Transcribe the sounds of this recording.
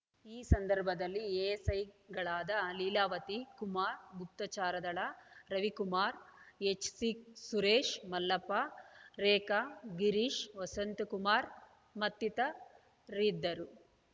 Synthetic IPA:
iːsɐnd̪ɐɾbʱɐd̪ɐlːieːsɐjɡɐɭaːd̪ɐliːlaːʋɐt̪ikumaːɾbʱut̪ːɐt͡ʃaːɾɐd̪ɐɭɐɾɐʋikumaːɾet͡ʃsiksuɾeːʂmɐlːɐpːaɾeːkaɡiɾiʃʋɐsɐnt̪kumaːɾ | mɐt̪ːit̪ɐ | ɾid̪ːɐɾu

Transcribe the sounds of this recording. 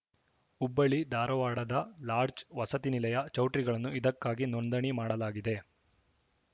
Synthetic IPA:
ubːɐɭid̪aːɾɐʋaːɽɐd̪ɐlaːɾd͡ʒʋɐsɐt̪inilɐjɐt͡ʃɐwʈɾiɡɐɭɐnːuid̪ɐkːaːɡinond̪ɐɳimaːɽɐlaːɡid̪e̞

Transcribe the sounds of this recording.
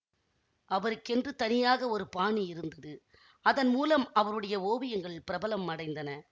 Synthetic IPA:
ʔɐʋɐɾɯkːɛndrɯt̪ɐnɪjaːɣɐɔɾɯpaːɳiɪɾɯnd̪ɐðɯ | ɐðɐnmuːlɐmɐʋɐɾɯɽɐjɐoːʋɪjɐŋɡɐɭpɪɾɐbɐlɐmːɐɽɐɪnd̪ɐnɐ

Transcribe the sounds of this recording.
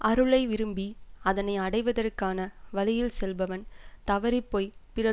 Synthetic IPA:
ʔɐɾɯɭɐɪʋɪɾɯmbiɐðɐnɐɪɐɽɐɪʋɐðɐrkaːnɐʋɐlɪjɪlsɛlʋɐʋɐnt̪ɐʋɐɾɪpːoːjpɪrɐ

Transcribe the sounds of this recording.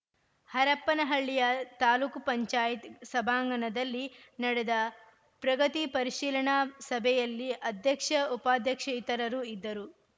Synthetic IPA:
hɐɾɐpːɐnɐɦɐɭːijɐt̪aːluːkupɐɲt͡ʃaːjit̪sɐbʱaːŋɡɐnɐd̪ɐlːinɐɽɛd̪ɐ | pɾɐɡɐt̪ipɐɾiʃiːlɐɳasɐbʱɛjɐlːiʔɐd̪ʱjɐkʂɐupaːd̪ʱjɐkʂɐit̪ɐɾɐɾuid̪ːɐɾu

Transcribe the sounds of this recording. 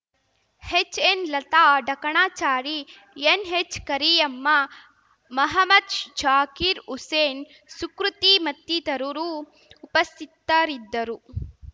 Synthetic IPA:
het͡ʃːenlɐt̪aːɖɐkɐɳaːt͡ʃaːɾi | enɦet͡ʃːkɐɾiɐmːɐ | mɐɦɐmɐd̪ʃd͡ʒaːkiɾuseːn | sukɾut̪imɐt̪ːit̪ɐɾuɾuː | pɐst̪ʰit̪ːɐɾid̪ːɐɾu

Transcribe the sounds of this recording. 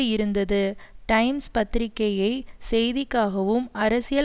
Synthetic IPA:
ɪɾɯnd̪ɐðɯʈɐɪmspɐt̪ːɪɾɪkːɐjɐɪsɛjðɪkːaːɣɐʋɯmɐɾɐsɪjɐ

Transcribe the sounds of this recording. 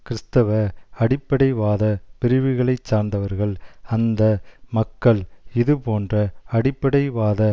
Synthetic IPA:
kɪɾɪst̪ɐʋɐɐɽɪpːɐɽɐɪʋaːðɐpɪɾɪʋɯɣɐɭɐɪt͡ʃːaːɾnd̪ɐʋɐɾɣɐɭɐnd̪ɐmɐkːɐɭɪðɯpoːndrɐɐɽɪpːɐɽɐɪʋaːðɐ

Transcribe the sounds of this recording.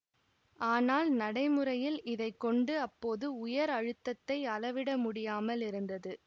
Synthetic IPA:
ʔaːnaːlnɐɽɐɪmɯrɐjɪlɪðɐɪkːɔɳɖɯɐpːoːðɯʊjɐɾɐɻɯt̪ːɐt̪ːɐɪɐlɐʋɪɽɐmʊɽɪjaːmɐlɪɾɯnd̪ɐðɯ

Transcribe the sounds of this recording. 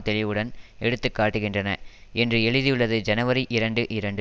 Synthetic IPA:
t̪ɛɭɪʋɯɽɐnɛɽɯt̪ːɯkːaːʈːɯɣɪndrɐnɐ̰ɛndrɯɛɻɯðijɯɭːɐðɯd͡ʒɐnɐʋɐɾiʔɪɾɐɳɖɯʔɪɾɐɳɖɯ

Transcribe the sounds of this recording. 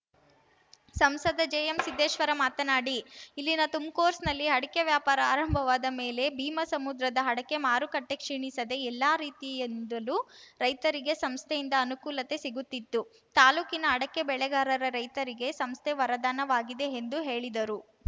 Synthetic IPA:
sɐmsɐd̪ɐd͡ʒeːjɐmsid̪ʱːeːʃʋɐɾɐmaːt̪ɐnaːɽiilːinɐt̪umkoːɾsnɐlːiɦɐɽɐkeʋjaːpaːɾɐaːɾɐmbʱɐʋaːd̪ɐme̞ːle̞bʱiːmɐsɐmud̪ɾɐd̪ɐɦɐɽɐke̞maːɾukɐʈːe̞kʂiːɳisɐd̪e̞ɛlːaːɾiːt̪ijend̪ɐluɾɐjt̪ɐɾiɡe̞sɐmst̪ʰejind̪ɐːnukuːlɐt̪e̞siɡut̪ːit̪ːu | t̪aːluːkinɐɦɐɽɐkːe̞bɛɭɛɡaːɾɐɾɐɾɐjt̪ɐɾiɡe̞sɐmst̪ʰeʋɐɾɐd̪aːnɐʋaːɡid̪e̞ːnd̪uɦe̞ːɭid̪ɐɾu

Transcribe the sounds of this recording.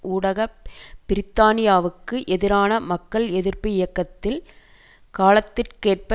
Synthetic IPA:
ʔuːɽɐɣɐbɪɾɪt̪ːaːnɪjaːʋɯkːɯʔɛðɪɾaːnɐmɐkːɐɭɛðɪɾpɪɪjɐkːɐt̪ːɪl | kaːlɐt̪ːɪrkeːʈ̚pɐ

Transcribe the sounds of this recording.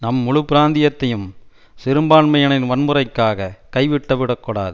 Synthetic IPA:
nɐmːʊɻɯpːɪɾaːnd̪ɪjɐt̪ːɐjɯm | sɪɾɯmbaːɳmɐjɐɳɪnʋɐnmɯɾɐɪkːaːɣɐkɐɪʋɪʈːɐʋɪɽɐkːɔɽa̰ːðɯ

